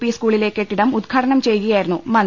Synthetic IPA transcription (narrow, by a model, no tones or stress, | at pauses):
piːskuːɭile̞ːkːe̞ʈːiɽɐmud̪ɡʰʱɐʈɐɳɐmt͡ɕe̞jkujaːjiɾunːumɐn